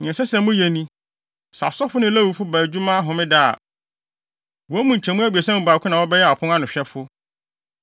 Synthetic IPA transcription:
ɲ̃˨ɛ̃˨sɛ˦sɛ̃˨˦mʊ̃˦jɛ˨nĩ˦ | sa̰˨sɔ˦fʊ˦nɪ̃˦læ˦wu˨fʊ˦bæː˨d͡ʑᶣu˦mã˦a˦ɦʊ̃˨mɪ̃˦da̰˦˨ | wɔ˨˦mũ˨ɲ̩˨t͡ɕʰɛ̃˨mũ˦æ˦bi˨æ˨sã˦m̃˨ba˨kʰʷʊ˦nã˨wɔ˦bɛ˦jɛ˦a˨pʰʊ̃˦ŋã˦nʊ̃˨ɕᶣɛ˦fʊ˦

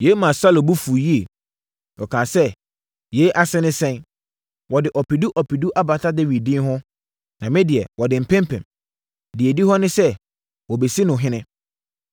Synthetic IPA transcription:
je˨˦mã˨sa˦lo˨bu˦fu˨ji˦e˨ | ɔ˨kʰãː˨sɛ˦ | je˨˦ʔa˦sɛ˦nɪ̃˦sɛ̃˦n | wɔ˨dɪ˨ʔɔ˨pʰi˨du˦ʔɔ˨pʰi˨du˦ʔa˦ba˨tʰa˦dɛ˦ɥi˨dɪ̃˦n˦ɦʊ̃˦ | nã˨mɪ̃˦dɪ˨ɛ˨wɔ˨dɪ˨m̩˨pʰɛ̃˦mpʰɛ̰̃˨m | dɪ˨ɛ˨di˦hɔ˦nʊ̃˦sɛ˦ | wɔ˨be˨si˦nʊ̃˨ɦɪ̃˦nɪ̃˦

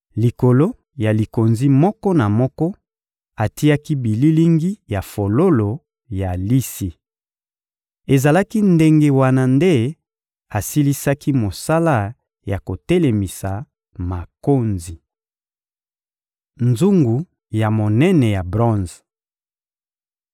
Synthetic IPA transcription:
li˨ko˨lo˦ | ja˨li˨ko˨nzi˦mɔ˦kɔ˦na˨mɔ˦kɔ˦ | a˨ti˦a˦ki˦bi˨li˦li˦ŋɡi˦ja˨fo˨lo˦lo˨ | ja˨li˦si˨ | e˨za˨la˦ki˦nde˦ŋɡe˦wa˦na˦nde˦ | a˨si˦li˦sa˦ki˦mo˨sa˦la˦ | ja˨ko˨tɛ˦le˨mi˨sa˨ | ma˨ko˦nzi˨ | nzu˦ŋɡu˨ | ja˨mo˨nɛ˦nɛ˨ja˨bʁɔ̃˦nz

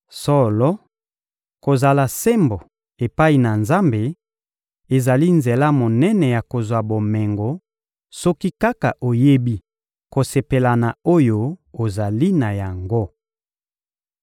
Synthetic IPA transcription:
sɔ˦lɔ˦ | ko˨za˨la˨se˦mbo˨ | e˨pa˦i˨na˨nza˦mbe˨ | e˨za˨li˦nze˨la˦mo˨nɛ˦nɛ˨ja˨ko˨zwa˨bo˨mɛ˨ŋɡo˨ | sɔ˦ki˦ka˦ka˨ʔo˨je˦bi˦ | ko˨se˨pe˨la˨na˨o˦jo˦o˨za˨li˦na˨ja˨ŋɡo˦

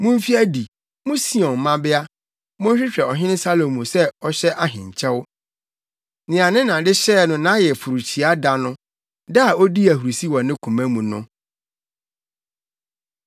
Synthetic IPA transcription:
mʊ̃˦m̩˦fi˦æ˦di˨ | mũ˦si˦ɔ̃˨mã˦bɪ˦a˦ | mʊ̃˦ɲ˦ɕᶣɪ˦t͡ɕᶣɛ˨ɔ˨ɦɪ̃˦nɪ̃˦sa˦lo˨mũ˨sɛ˦ɔ˦ɕɛ˦ʔa˨ɦɪ̃˨ɲ˨t͡ɕʰɛ̃˦w | nɪ̃˨ã˨nɪ̃˦nã˨dɪ˦ɕɛ˦˨nʊ̃˦nã˨˦jɛ˨fu˨ɾu˨t͡ɕʰi˨a˦da˨nʊ̃˦ | da˦a˨o˦di˦æ˨ɦu˨ɾu˨si˦wɔ̃˨nɪ̃˦kʰũ˨mæ̃˦mũ˨nʊ̰̃˦

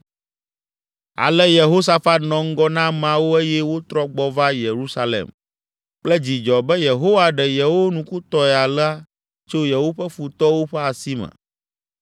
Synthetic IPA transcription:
a̰˨lɛ˦je˨ɦo˦s̬a˦fa˦t̪nɔ̃˨ŋ̩˦ɡɔ˦nã˦mã˦wo˦e˦jɛ˦wo˦t̪ɾɔ˦ɡ͡bɔ˨va˦je˨ɾu˦sa˦lḛ˨m | k͡plɛ˦d͡ʑi˨d͡ʒɔ˨bɛ˦je˨ɦo˦wa˦ɖɛ˨jɛ˨wo˦nũ˨ku˦t̪ɔ˨ɛ˨a˨la˦ | t͡ʃo˦jɛ˨wo˦ɸɛ˦fu˨t̪ɔ˦wo˦ɸɛ˦a˨si˦mɛ̰̃˨

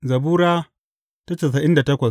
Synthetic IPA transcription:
zɐ˨buː˦ɾaː˦ | ta˦t͡ʃeː˨s̬ɐ˨ʔɪ˦nda˨tɐ˦kʷɐ˨

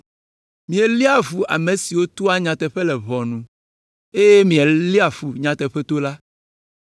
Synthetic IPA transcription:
mĩ˨ɛ˨li˦a˨vu˨ʔa̰˨mẽ˨si˨wo˦t̪o˦a˦ɲã˨t̪ɛ˨ɸe˦lɛ˨βɔ˨nũ˨ | e˦je˦mĩ˨ɛ˨li˦a˨fu˨ɲã˨t̪ɛ˨ɸɛ˦t̪o˦la˦

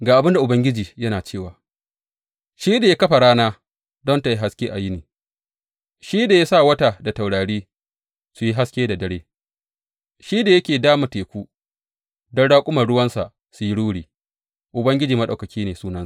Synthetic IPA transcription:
ɡaː˨ʔa˨bɪ˦nda˨ʔʊ˨bɐ˦ŋɡʲɪ˦d͡ʒiː˨jɐ˦naː˨t͡ʃeː˦˨waː˨ | ʃiː˦da˨ja˦kɐ˦ɸa˨ɽaː˦naː˦ | dɔ˦nta˨ji˦ɦa˨skʲeː˦ʔa˨ji˦niː˨ | ʃiː˦da˨ja˦saː˦˨wɐ˦ta˨da˨ta˨wɽaː˨ɽiː˦ | su˨ji˦ɦa˦skʲeː˦da˨dɐ˦ɽeː˦ | ʃiː˦da˨jɐ˦kʲeː˨daː˦ma˨teː˨kʷuː˦ | dɔ˦nɽaː˦kʷʼʊ˦mɐ˨ɽʊ˦wɐ˦nsa˨ʔ | su˨ji˦ɽuː˦ɽiː˨ | ʔʊ˨bɐ˦ŋɡʲɪ˦d͡ʒiː˨mɐ˦ɗa˨wkɐ˨kʲiː˦neː˨suː˦nɐ˦sa˨

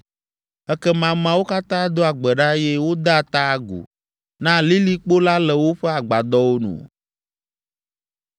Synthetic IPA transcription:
ɛ˦kɛ˦mã˨mã˨wo˦ka˦t̪ã˦d̪o˦a˨ɡ͡bɛ˨ɖa˦jɛ˦wo˦d̪a˦˨t̪a˦ɡṵ˨ | nã˦li˦li˦k͡po˦la˦lɛ˨wo˦ɸɛ˦a˨ɡ͡ba˨d̪ɔ˦wo˦nṵ̃˨

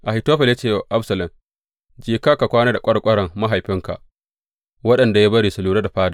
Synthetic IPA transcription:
ʔa˨ɪ˨toː˦ɸɛ˨lja˦t͡ʃeː˦˨ʔa˦bsɐ˨lɐ˨m | d͡ʒiː˨ka˦ka˨kʷaː˦na˦da˨kʷʼɐ˦ɽkʷʼɐ˦ɾɐ˨ŋma˦ɦa˨jɸɪ˦ŋka̰˨ | wɐ˦ɗɐ˨nda˨ja˦bɐ˦ɾiː˨sʊ˨luː˦ɾɐ˦da˨ɸaː˦da˨

